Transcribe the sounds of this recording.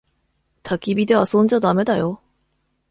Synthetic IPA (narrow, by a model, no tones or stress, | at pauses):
tak͈ibideasond͡ʑadamedajo